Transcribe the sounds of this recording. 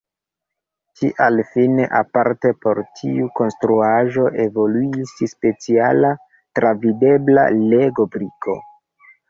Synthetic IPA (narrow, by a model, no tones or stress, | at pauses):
t͡ʃiʔalfineʔapaɾte̞po̞ɾtʰiuko̞nstɾuaʒo̞ʔe̞vo̞luisspe̞t͡siala | tɾavide̞bla̰le̞ɡo̞bɾiko̞̰